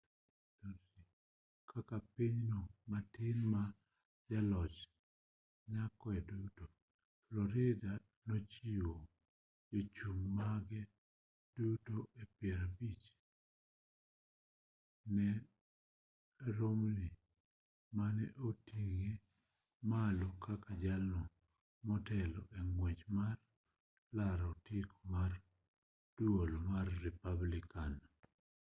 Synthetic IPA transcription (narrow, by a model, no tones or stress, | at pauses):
to | i | kʰakapiɲnomatɪnma | d͡ʒalɔt͡ʃ | ɲakɔɛduto | flɔɾɪda | nɔt͡ʃiwo | d͡ʒat͡ʃummaɡɛ | d̥utoepɪɛɾabit͡ʃ | nɛ | ɾomni | manɛ̰ʔotiŋe | malokakad͡ʒalnɔ | mɔtɛlɔʔeŋwed͡ʒmar | laɾotɪkʰɔmar | d̥wolmarːɛpablɪkan